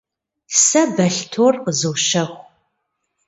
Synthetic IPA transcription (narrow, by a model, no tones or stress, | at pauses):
sɐbɐɬtʰoːrqəzɨwʃɐxʷ